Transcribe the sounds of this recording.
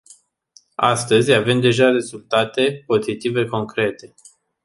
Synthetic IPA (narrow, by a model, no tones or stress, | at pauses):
a̰st̪əzʲave̞md̪e̞ʒare̞zult̪at̪e̞po̞zit̪ive̞ko̞ŋkɾe̞t̪e̞